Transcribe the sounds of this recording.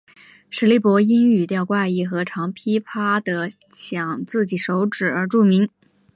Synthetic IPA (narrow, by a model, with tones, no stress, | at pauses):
ʂɻ̩˧˥li˧˥pwɔ˧˥i˥ŋy˨˩t̪jɑ˥˧ʊkwa˥˧ɪi˥˩xɤ˧˥ʈ͡ʂʰɑ˧˥ŋpʰi˥pʰa˥d̪ə˨ | t͡ɕʰjɑ˨˩ŋt͡sɹ̩˥˩t͡ɕi˨˩ʂo˧˥ʊʈ͡ʂɻ̩˨˩ə˞˧˥ʈ͡ʂu˥˩mi˧˥ŋ